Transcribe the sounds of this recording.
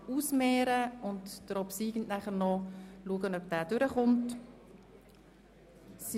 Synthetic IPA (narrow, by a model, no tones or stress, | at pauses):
uːsmeːɾəʊntd̥əɾɔpsiːɡn̩næχəɾnɔluəɡənœpd̥æːd̥ʏɾəχʊnt | s